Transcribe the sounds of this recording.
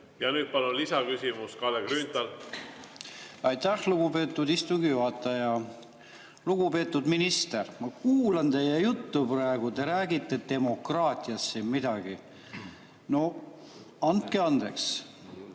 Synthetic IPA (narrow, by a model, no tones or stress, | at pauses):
jɑnyːd̪̚pɑlunlisɑkysimuskɑlekɾyːnt̪ɑl | ɑjt̪æhluɡ̥upe̞ːt̪ːˑud̪ist̪uŋɡijuɦɑt̪ːˑɑjɑ | luɡ̥upe̞ːt̪ːˑud̪̥minist̪ermɑkuːlɑnt̪e̞jejut̪ːuprɑeɡ̥ut̪e̞ɾæːɡit̪ːˑe̞d̪e̞mo̞krɑːt̪ʲˑiɑsːinmid̪̥ɑɡ̥i | no̞ | ɑnt̪̚ke̞ɑnd̪̥e̞̰ks